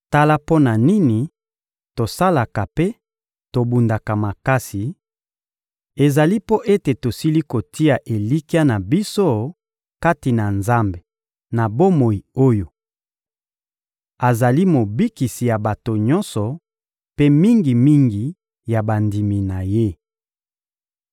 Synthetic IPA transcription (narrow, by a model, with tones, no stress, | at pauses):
ta˦la˦po˦na˨ni˦ni˨ | to˨sa˦la˨ka˨pe˦ | to˨bu˨nda˨ka˨ma˨ka˦si˨ | e˨za˨li˦po˦ʔe˦te˨to˨si˦li˦ko˨ti˦a˨ʔe˨li˦ki˦a˦na˨bi˦so˦ | ka˦ti˨na˨nza˦mbe˨ | na˨bo˦mo˨i˨o˦jo˨ | a˨za˨li˦mo˨bi˦ki˨si˨ja˨ba˨to˨ɲɔ̃˦nsɔ˨ | pe˦mi˦ŋɡi˨mi˦ŋɡi˨ | ja˨ba˨ndi˨mi˨na˨je˦